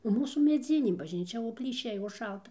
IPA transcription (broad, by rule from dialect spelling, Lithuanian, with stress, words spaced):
nʊ ˈmuːsuː mʲɛˈd͡zʲɪnʲeː bɐʒʲnʲiːˈt͡ʃʲɛ oː pʲlʲiːˈʃʲɛɪ oː ˈʃɐlˠtɐ